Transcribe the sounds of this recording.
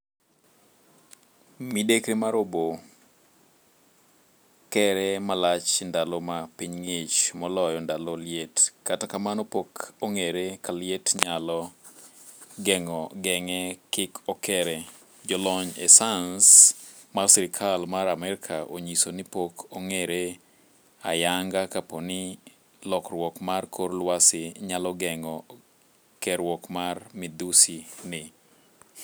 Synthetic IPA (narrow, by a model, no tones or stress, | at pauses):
midekɾemaɾobo | kɛɾɛmalat͡ʃndalomapiɲŋet͡ʃmɔlɔjɔndaloljetkatakamanɔpokoŋeɾekalɪetɲalɔ | ɡɛŋɔɡɛŋɛkɪkʰɔkʰɛɾɛ | d͡ʒɔlɔɲḛsans | marsiɾɪkʰalmaɾamɛɾɪkʰaʔo̰ɲisonɪpokʰoŋeɾe | a̰jaŋɡakaponɪ | lɔkrwɔkmarkʰorlwasɪɲalɔɡɛŋɔ | kɛɾwɔkmarmɪd̪usinɪ